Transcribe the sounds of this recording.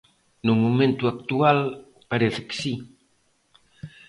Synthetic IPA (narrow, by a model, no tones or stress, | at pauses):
numumẽnt̪uak̚t̪ual | paɾeθɪ̥ke̥si